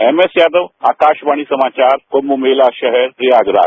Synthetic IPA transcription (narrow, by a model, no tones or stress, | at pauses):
emesjaːd̪əʋa̰ːkaːʃʋaɽ̃isəmaːt͡ʃaːɾomumelaʃəɦɛɾɾijaɡɾa̰ː